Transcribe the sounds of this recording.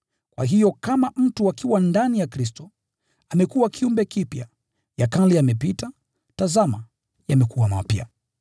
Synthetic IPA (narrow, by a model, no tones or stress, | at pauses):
kwa̰ɦijɔkamam̩tuakiwandanijakɾis̬tɔ | amɛkuwakʰiumbɛkipja̰ | jakaliamɛpita | tazama | jamɛkuwama̰pja̰